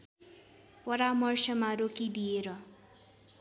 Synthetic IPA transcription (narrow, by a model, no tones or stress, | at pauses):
pʌɾamʌrsʌmaɾokid̪ieɾʌ